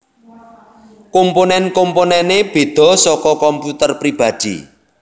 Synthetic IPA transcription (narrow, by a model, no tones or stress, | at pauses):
komponɛnkomponɛneb̥e̤d̪̥ɔ̤sɔkɔkɔmput̪ərpɾib̥ä̤d̪̥ḭ